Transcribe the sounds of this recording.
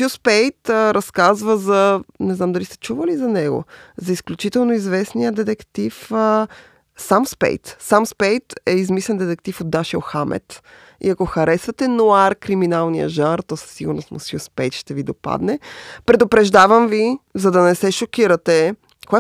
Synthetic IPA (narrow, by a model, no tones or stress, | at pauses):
uspɛjt̪ːɾɐskazvəzɐnɛznamd̪ɐlist̪ɛ̥t͡ʃuvəlizɐnɛɡo̰zɐisklʲut͡ʃit̪ɛlˠnoizvɛsnijəd̪ɛt̪ɛkt̪if | samspɛ̰jt̪samspɛjt̪ɛizmislɛnd̪ɛt̪ɛkt̪ifod̪ːaʃiəoxamʔɛ̰t̪ | ḭɐkoxɐɾɛsvɐt̪ɛnoaɾkɾiminalˠnijə̰ʒanɾt̪ɔsɐ̥sːiɡʊɾno̰st̪mʊ̰sjuspɛjt̪ʃt̪ɛvid̪opa̰d̪nɛpɾɛd̪opɾɛʒd̪avɐmvizɐd̪ɐnɛsɛʃokʲiɾɐt̪ɛ | koɛ